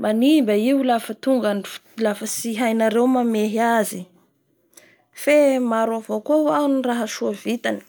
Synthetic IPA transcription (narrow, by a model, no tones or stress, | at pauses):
manimbaiulafət̪uŋɡani̥ | lafəsiɦajnaɾewmameɦazi | femaɾwavokowaniraɦəsuavit̪ani̥